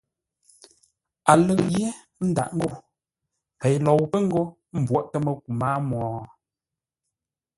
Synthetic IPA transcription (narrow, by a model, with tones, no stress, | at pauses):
a˨lə˦kɣje˦ | n̩˦da̰˨ʔŋ̩˦ɡo˦˨ | pɛ˨jlɔ˨wpə˦ŋ̩˦ɡo˦ | m̩˨bwɔ˨ʔtə˦mə˨k̚u˨maː˦mɔː˨